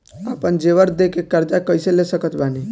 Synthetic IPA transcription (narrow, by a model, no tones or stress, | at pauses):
aːpənd͡ʒeʋəɾd̪ekekəɾd͡ʒ̪akəɪselesəkət̪ʰbani